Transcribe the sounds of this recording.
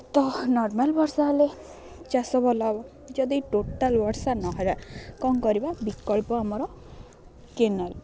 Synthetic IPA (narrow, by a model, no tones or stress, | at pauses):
t̪ɔnɔɾmalbɔɾsaɦɔle | t͡ʃasɔbɔlabɔ | d͡ʒɔd̪iʈoʈalbɔɾsanɔɦɔɾakɔŋkɔɾibabikɔɭpɔamɔɾɔ | kenal